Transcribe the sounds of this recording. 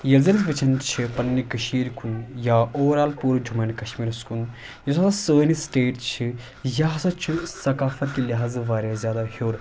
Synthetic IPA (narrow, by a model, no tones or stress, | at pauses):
jɐlzɐɾisʋɐt͡ʃʰɐnt͡ʃʰipɐnːikɐʃiːɾkʰunjaːoːɾaːlpuːɾd͡ʒʱumɐnkɐʃmiːɾskun | jɐsasasəːnisʈeːʈt͡ʃʰi | jaɦsɐt͡ʃʰisɐkaːfɐt̪̚kilʲiɦaːzʋaːɾʲjazʲjaːd̪ahoːɾ